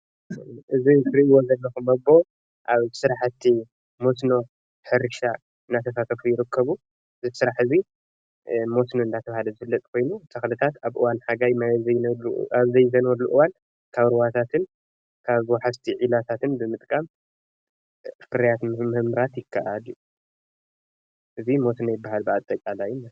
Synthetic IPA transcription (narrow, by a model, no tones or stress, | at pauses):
ʔɨzisɾiwozɐlːɐxumɐbo | ʔaβsɨɾaħt̪ʰːi | mosno̞ | ħɨɾɨʃa | ɨnːat̪ʰɐsat̪ʰɐfujɪɾɨkʰːɐβu | ɨzisɨɾaħɨzi | mo̞snoɨnd̪at̪ʰɐβhalɐzɨfɨlːɐt̪ʼkʰo̞jnut̪ʰɐxlɨt̪ʰat̪aβʔɨwanħaɡajmajzɐjaβzɐjzɐnwɐlːuʔɨwan | kʰaβɾɨwat̪ʰat̪ʰɨn | kʰaβwħast̪ʰiʕilat̪ʰat̪ɨnbɨmɨt̪ʼkʼam | fɨɾɐjat̪mɨmɨhmɾat̪jɪkʰːa̰ʔad̪ju | ʔɨzimo̞sno̞jɪbːaɦalbɨat̪ʼːɐkʼalajunːa